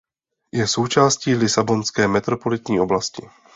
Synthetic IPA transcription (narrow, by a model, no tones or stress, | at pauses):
jɛso̞wt͡ʃaːsciːlɪsabo̞nskɛːmɛt̪ɾopo̞lɪt̪ɲiːʔo̞blascɪ̰